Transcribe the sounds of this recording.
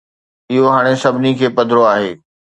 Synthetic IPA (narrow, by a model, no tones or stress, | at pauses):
ɪɦoɦaːɽ̃esɐbʱɪnikʰeːpɐd̪ʱɪɾoaːɦḛː